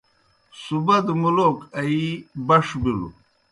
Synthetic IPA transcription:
subɐd̪mulokɐibɐʂbilṵ

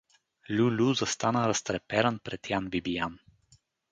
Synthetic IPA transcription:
lʲulʲuzɐst̪anəɾɐst̪ɾɛpɛɾənpɾɛt̪janvibijan

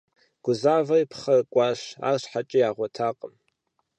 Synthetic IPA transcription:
ɡ̥ʷʊzaːvɐjpʰχɐkʷʼɑːʃa̰ːrɕħat͡ʃʼijaːʁʷɔtʰaːqʼəm

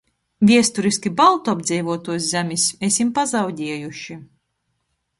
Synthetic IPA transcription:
vʲiɛst̪uɾiskʲibalˠt̪uabd̪zʲɛjvuɔt̪uɔs̬zʲæmʲisesimpazawɟʲiɛjuʃi

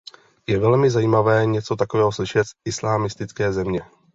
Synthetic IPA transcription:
jɛvɛlmɪzajiːmavɛːɲɛt͡so̞t̪akovɛːɦoslɪʃɛt̪sɪslaːmɪst̪ɪt͡skɛːzɛmɲɛ

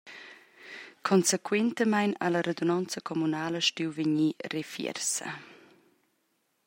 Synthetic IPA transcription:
kʰɔnsekwɛnt̪əmajna̰ləɾed̪onɔnt͡səkʰɔmunaːləʃtiwveɲirefjɛ̰rsə̰

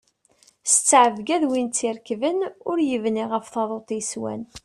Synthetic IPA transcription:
st͡sːʕəvɡæðwint͡sːiɾkvənʊɾjəvniʁəfθɑðˤot̪ˤiswæ̰n

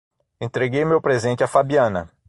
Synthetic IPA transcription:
ẽt̪ɾeɡejmewpɾezẽnt͡ʃɪafabiɐ̃nɐ̰

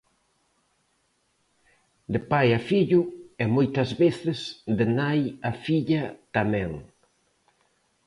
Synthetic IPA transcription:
d̪epajafiʎʊɛmojt̪ɐzβeθɪsd̪enajafiʎɐt̪amɛ̃ŋ

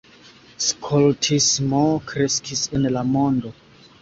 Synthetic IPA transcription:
skʰoltʰismokɾe̞skisenlamo̞ndo̞

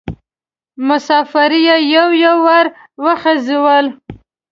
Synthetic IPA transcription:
mʊsɑfaɾijajawjawːaɾ | wəxəziwəl

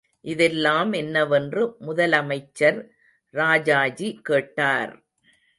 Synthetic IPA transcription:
ʔɪðɛlːaːmɛnːɐʋɛndrɯmʊðɐlɐmɐɪt͡ʃːɐɾ | ɾaːd͡ʒaːd͡ʒikeːʈːaːɾ

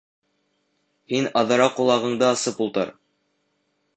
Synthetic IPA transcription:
hinɑðɤ̆ɾɑqulˠɑʁɤ̆ɴd̪ɤɑsɤpulˠt̪ɤ̰ɾ

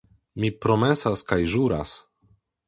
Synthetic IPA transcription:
mipɾo̞me̞saskajʒuɾa̰s

